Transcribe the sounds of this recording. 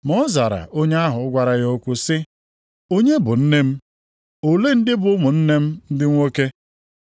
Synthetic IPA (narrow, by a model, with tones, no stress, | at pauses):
mɔ˦za˨ɾa̰˨ʔo˦ɲe˦a˦ɦʊ˨ʊ˦ɡʷa˨ɾa˨jo˦kʷʊ˦sɪ˦ | o˦ɲe˦bʊ˨n̩˦ne˦m̩˦ | o˨le˦n̩˦dɪ˦bʊ˨ʊ˦mʊ˨n̩˦ne˦m̩˦n̩˦dɪ˦ŋʷo˦ke˦